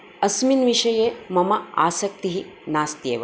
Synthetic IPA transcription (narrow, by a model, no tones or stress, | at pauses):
ɐsminʋiʂɐjeːmɐmɐa̰ːsɐk̚t̪iɦinaːst̪jḛːʋɐ